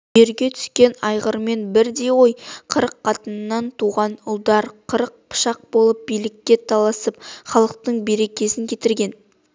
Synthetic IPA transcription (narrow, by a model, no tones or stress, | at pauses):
ʒe̞ɾɡʲe̞t̪ʰʏ̥skʲe̞nɑjʁəɾme̞nbɪɾd̪e̞wo̞jqʰəɾəqqʰːɑt̪ənənːɑnt̪ʰuʁɑnʊlˠd̪ɑɾqʰəɾəq̚pʰə̥ʃɑq̚bo̞lˠəp̚bijlɪkʲːe̞t̪ʰɑlˠɑsəp̚χɑlˠəq̚t̪əɴbe̞ɾe̞kʲe̞sɪŋkʲʰe̞t̪ɪɾɡʲe̞n